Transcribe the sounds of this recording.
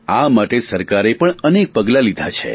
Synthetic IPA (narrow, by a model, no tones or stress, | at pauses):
amaʈesəɾkaɾepəɳənek̚pəɡlalid̪ʱat͡ʃʰḛ